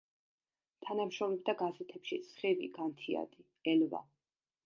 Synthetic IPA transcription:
t̪ʰanamʃɾɔmlɛb̚d̪aɡazɛt̪ʰɛpʃisχivḭɡant̪ʰia̰d̪i | ɛlva̰

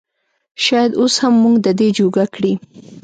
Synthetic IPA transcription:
ʃɑjad̪oshamːuŋɡd̪əd̪ed͡ʒoɡakɽi

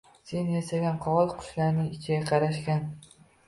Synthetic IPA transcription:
se̞njasaɡʲanqʰɒɒlˠqʰʊ̥ʃlaɾnɪŋɪt͡ʃʰɪɡʲaqʰɑɾaʃkʲan

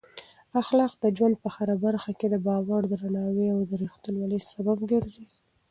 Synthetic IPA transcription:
axlɑqd̪əd͡ʒwand̪̚pəxaɾabaɾxaked̪əbɑwaɽd̪əɾanɑweawd̪əɾixt̪ulwalisababɡəɾzi

